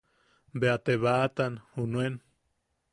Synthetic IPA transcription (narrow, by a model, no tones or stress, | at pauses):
beat̪eβat̪anhunwen